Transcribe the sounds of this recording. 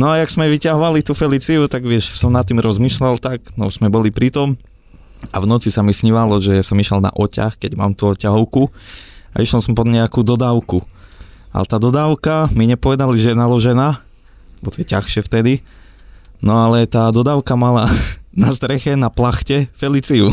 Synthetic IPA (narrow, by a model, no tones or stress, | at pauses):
nɔajaɡz̥mɛʋicaɦɔʋalit̪ufɛlit͡siut̪aɡʋɪɛʃsɔmnat̪ːiːmɾɔzmiːʃlalt̪aɡnɔz̥mɛbɔlipɾit̪ɔm | avnɔt͡sisamisɲiʋalɔʒɛsɔmiʃɛlna̰ʔɔca̰xkɛɟma̰ːmt̪uɔcaɦɔʊkua̰ʔiʃɛlsɔmpɔd̪ɲɛakud̪ɔd̪aːʊku | a̰lɛt̪aːd̪ɔd̪aːʊkamiɲɛpɔʋɛd̪aliʒɛjɛnalɔʒɛnaː | ɛbɔt̪ɔjɛcaxʃɪɛft̪ɛd̪i | nɔalɛt̪aːd̪ɔd̪aːʊkamalanast̪ɾɛxɛnaplaxcɛfɛlit͡siu